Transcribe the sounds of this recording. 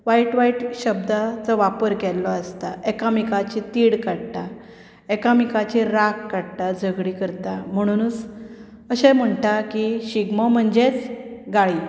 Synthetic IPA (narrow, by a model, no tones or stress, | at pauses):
ʋaiʈʋaiʈɕəb̚d̪at͡sɔʋapəɾɡɛlːɔəst̪aekamikat͡ɕit̪iɽkaɽt̪a | ekamikat͡ɕiɾakːaɽʈ̪ad͡zəɡɽikəɾt̪am̤əɽ̃unt͡s | əɕɛ̃m̤əɳʈakiɕiɡmɔm̤əɳd͡ʑet͡sɡaɭiː